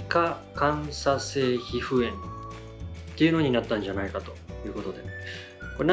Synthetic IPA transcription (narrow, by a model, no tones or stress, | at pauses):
ka | kãɰ̃sase̞ːçiɸɯ̟ẽ̞n | t̪ːe̞jɯ̟no̞ɲ̟inat̪ːãɲ̟d͡ʑanaikat̪o̞jɯ̟ːko̞t̪o̞d̪e̞ | koɾen